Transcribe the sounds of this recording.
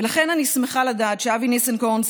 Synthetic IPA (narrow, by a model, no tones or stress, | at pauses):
laχe̞nanismeχaladaːtʃeavinesenkons